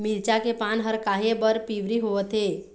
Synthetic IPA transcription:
milt͡ʃakepanɦəɾkaɦebəɾpiʋɾiɦoət̪ɦe

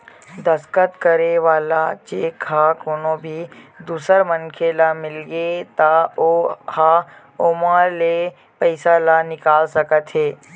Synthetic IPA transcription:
d̪ɐskət̪kəɾeʋaːlat͡ʃeːkɦakoːnõbʱid̪uːsəɾmɐ̃nkʰelamɪlɡet̪aoːha | oːmãle | pɐɪsalanɪkaːlsɐkət̪ɦeː

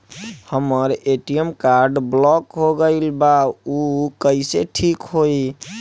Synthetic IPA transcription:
həməɾeʈijəmkaɾɖblɔkɦoɡəɪlbaukəɪseʈʰikɦoi

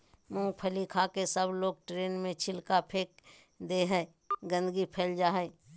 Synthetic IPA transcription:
mʊ̃ŋpʰəlikʰakesəbloːɡ̚ʈɾeːnmẽt͡ʃʰɪlkapʰeːk̚ | d̪eɦɛ | ɡə̃nd̪ɡipʰeːld͡ʒaːɦɛ

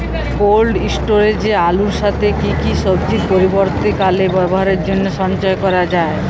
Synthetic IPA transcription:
kolɖisʈoɾed͡ʑealuɾʃat̪ʰekikiʃɔbd͡ʑikpoɾiboɾt̪ikalebɔboɦaɾeɾd͡ʑonːoʃɔnt͡ɕɔekɔɾad͡ʑae

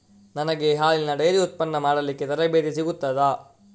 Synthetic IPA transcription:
nɐnɐɡe̞ɦaːlinːɐɖɐjɐɾiut̪̚pɐnːɐmaːɽɐlikːet̪ɐɾɐbeːd̪isiɡut̪ːɐd̪ɐ

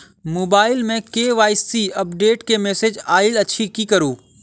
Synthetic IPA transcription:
moːbaːɪlmẽkeːʋaːɪsiɐpɖeːʈkemɛːsed͡ʒaːɪlɐtːʃʰikikɐɾuː

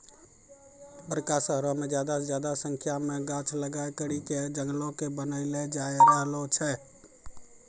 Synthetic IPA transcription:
bəɾkasəɦɾɔ̃med͡ʒjad̪ad͡ʒjad̪asəŋkʰjameɡat͡ʃʰləɡajkəɾiked͡ʒəŋɡlõkebənəɪled͡ʒaeɡalot͡ʃʰɛ

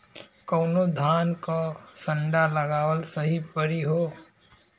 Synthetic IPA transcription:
kəːnod̪ʱaːnkosə̃ɳɖaləɡaːwəlsəɦipəɾiɦoː

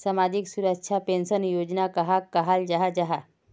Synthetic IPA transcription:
samad͡ʒiksuɾəkʃʰapensənjod͡ʒnakɐɦakːəɦald͡ʒaɦad͡ʒaɦa

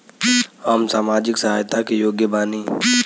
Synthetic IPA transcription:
aːmsaːmaːd͡ʒɪksɐɦaːjt̪ʰakijoːɡjəbaːniː

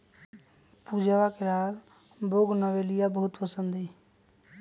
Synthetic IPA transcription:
pud͡ʒʱawakelaɡ | boɡnəʋelijabəɦut̪pəsənd̪ʱĩ

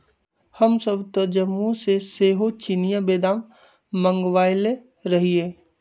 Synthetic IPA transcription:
hɐmsəbt̪əd͡ʒəmːũseseːɦot͡ʃinijabeːd̪aːmː | ə̃ŋɡʋaːɪle | ɾɐɦieː

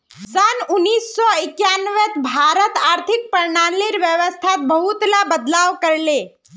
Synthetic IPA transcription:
sənʊnːiːsːɔɪkjanʋet̪bʱaːɾət̪aːɾt̪ʰɪk̚pəɾnaːliɾʋjəʋəst̪ʰat̪̚bəɦut̪labəd̪laːʋkəɾleː

